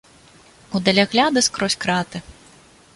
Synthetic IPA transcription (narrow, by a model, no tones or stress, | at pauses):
ud̪ɐlʲaɣlʲad̪ɨskɾɔsʲkɾat̪ɨ